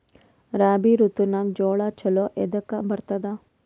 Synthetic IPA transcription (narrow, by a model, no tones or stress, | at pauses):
ɾaːbiɾut̪unakd͡ʒoːɭat͡ʃʰɐloʔed̪ɐkabɐɾt̪ɐd̪a